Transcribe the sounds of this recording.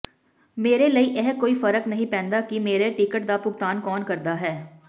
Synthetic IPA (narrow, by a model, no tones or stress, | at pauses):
meːɾeləiʔɛɦkoːifɐɾəknɐɦĩpɛ̃ːnd̪akimeːɾeʈikəʈd̪apʊɡ̚t̪aːnkɔːnkɐɾd̪aɦɛː